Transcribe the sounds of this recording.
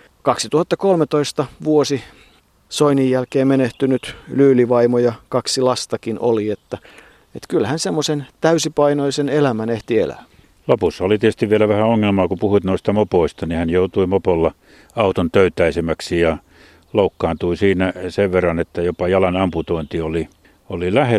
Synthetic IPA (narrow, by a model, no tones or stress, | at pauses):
kɑksit̪uhɑt̪ːɑkolmet̪oist̪ɑʋuosi | soinijjælkeːmmeneht̪ynyt̪lyːliʋɑimojɑkɑksilɑst̪ɑkinʔo̰liet̪ːæ | et̪kylhænsemːosent̪æysipɑinoisenelæmæneht̪iḛlæ̰ | lopusːɑolit̪iest̪iʋʋielæʋæhæoŋːelmɑːkupuhuit̪noist̪ɑmopoˑist̪ɑnihænjout̪uimopolːɑ | ɑut̪ont̪øyt̪ˑæisemæksijɑ | loukːɑːnt̪uisiːnæseʋʋerːɑnet̪ːæjopɑjɑlɑnɑmput̪oint̪ioli | olilæhe